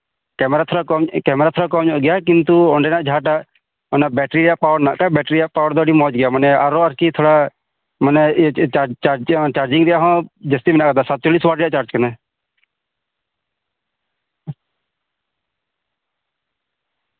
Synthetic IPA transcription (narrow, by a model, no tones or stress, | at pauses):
kɛːmɾaːt̪ʰoːɽakɔmkɛːmɾaːt̪ʰoːɾaːkɔmd͡ʒɔʔɡɪjaːkɪnt̪uɔɳɖenaʔd͡ʒʱaːʈ̬a | ɔnabɛːʈɾijaʔpaːwəɽna̰ʔkabɛːʈɾijaʔpaːwəɽd̪ɔːɽiːmɔ̃ːd͡ʒɡɪjaːmənɛaɾoːəɾkit̪ʰoːɽa | mənɛat͡ʃad͡ʒt͡ʃaːɾd͡ʒɪŋɡɾɪjaːɦɔ̃ːd͡ʒəst̪imnaʔkəd̪aːsat̪̚t͡ʃoliːsʋaːɾjaʔt͡ʃaːɾd͡ʒkənɛ